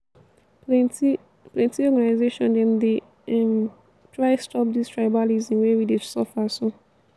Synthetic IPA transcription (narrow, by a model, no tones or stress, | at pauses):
plɛ̃ntiɔɡanaɪzeʃɔ̃ndɛ̃nde | ɛm | tʰɹaɪstʰɔp̚distʰɹajbalizĩmwɛwididsɔfaso